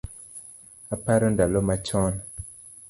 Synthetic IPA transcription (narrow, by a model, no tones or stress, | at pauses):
apaɾɔndalɔmat͡ʃɔn